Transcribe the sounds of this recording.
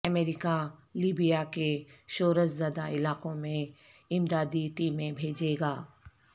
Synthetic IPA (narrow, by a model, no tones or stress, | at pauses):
ɐmeːɾɪkaliːbijakeʃoːɾəszɐd̪aɪlaːqõmẽ | ɪmd̪aːd̪iʈiːmːẽbʱeːd͡ʒeːɡaː